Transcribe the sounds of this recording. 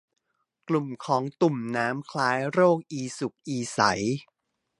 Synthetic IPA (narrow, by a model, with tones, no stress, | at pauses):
klu˨˩mkʰɔː˩˦ŋt̪u˨˩mnaː˦˥mkʰlaː˦˥jɾoː˥˩k̚ʔiː˧su˨˩k̚ʔiː˧sa˩˦j